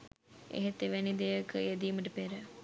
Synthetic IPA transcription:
ḛɦet̪ːeʋænid̪ejəkjed̪iːməʈ̬əpeɾə

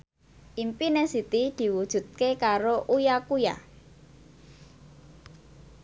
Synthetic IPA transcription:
ʔimpinesit̪id̪̥i̤wud̥ʒ̥ṳt̪̚kekaɾoʔujakuja̰

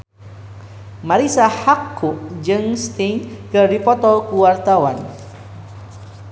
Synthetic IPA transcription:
maɾisahakʰːuʔd͡ʒɨŋst̪iŋkərdipɔt̪ɔlkuwart̪awan

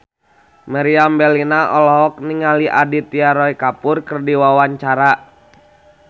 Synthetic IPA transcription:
maɾiambɛlinaʔɔlɔɦɔk̚niŋaliʔadit̪iaɾɔikapʊrkərdiwawaɲt͡ʃaɾa

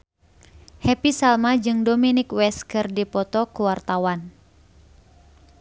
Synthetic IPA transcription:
hɛpisalmad͡ʒɨŋdominɪkwɛskɨrdipɔt̪ɔkuwart̪awan

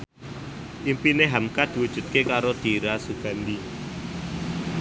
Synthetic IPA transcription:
ʔimpineɦamkad̪̥i̤wud̥ʒ̥ṳt̪̚kekaɾod̪̥iɾasuɡ̥a̤nd̪i

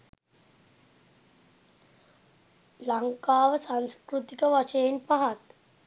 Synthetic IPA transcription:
laŋkaːʋəsanskɾut̪ikəʋaʂejenpaɦat̪

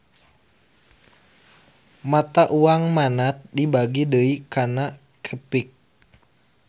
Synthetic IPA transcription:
mat̪aʔuaŋmanat̪̚dibaɡidəikana | kʰəpik̚

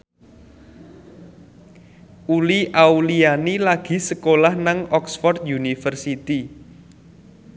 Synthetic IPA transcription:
uliʔaulianilaɡ̥i̤səkolahnaŋɔksfɔrt̪̚junifərsit̪i

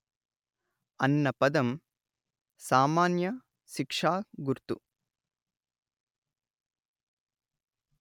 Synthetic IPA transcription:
ɐnːɐpɐd̪ɐm | saːmaːnjɐ | ʃikʂaːɡuɾt̪ṵ

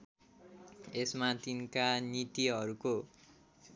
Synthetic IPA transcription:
esmat̪inkanit̪iɦʌɾuko

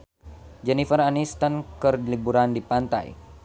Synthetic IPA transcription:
d͡ʒɛnifəɾanist̪ankərlibuɾandipant̪a̰j̰

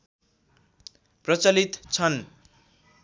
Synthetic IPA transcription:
prʌt͡sʌlit̪t͡sʰʌn

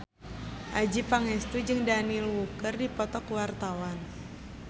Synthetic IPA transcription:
ʔad͡ʒipaŋɛst̪ud͡ʒɨŋdanilwukərdipɔt̪ɔkwart̪awan

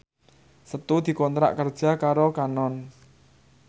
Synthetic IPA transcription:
sət̪ud̪̥i̤kɔnt̪ɾa̰ʔkərd̥ʒ̥a̤kaɾokanɔn

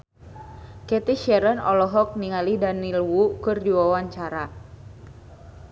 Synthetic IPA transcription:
kɛt̪iʃɛɾənɔlɔɦɔk̚niŋalidanilwukɨrdiwawaɲt͡ʃaɾa

